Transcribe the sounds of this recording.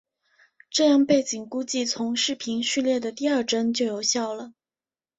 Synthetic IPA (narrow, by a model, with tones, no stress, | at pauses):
ʈ͡ʂɤ˥˧jɑ˥˧ŋpe˥˩ɪt͡ɕi˨˩ŋku˥t͡ɕi˥˩t͡sʰʊ˧˥ŋʂɻ̩˥˩pʰi˧˥nɕy˥˧ljɛ˥˩d̪ə˩t̪i˥˧ɐ˞˥˩ʈ͡ʂə˥nt͡ɕjo˥˩ʊjo˨˥ʊɕjɑ˥˩ʊlə˩